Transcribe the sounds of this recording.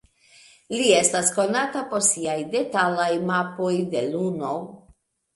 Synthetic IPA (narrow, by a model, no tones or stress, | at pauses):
lie̞stasko̞natapoɾsiajde̞talajmapo̞jde̞luno̞